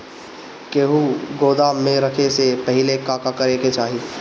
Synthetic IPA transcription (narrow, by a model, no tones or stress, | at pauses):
keːɦuɡoːd̪aːmẽɾɐkʰesepɐɦɪlekaːkakɐɾeːket͡ʃaːɦi